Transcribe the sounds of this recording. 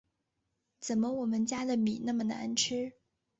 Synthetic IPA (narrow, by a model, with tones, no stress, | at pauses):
t͡sə˨˩nmə˦wɔ˨˩mə˧˦nt͡ɕja˥d̪ə˨mi˨˩˦na˥˩mə˨na̰˧˥nʈ͡ʂʰɻ̩˥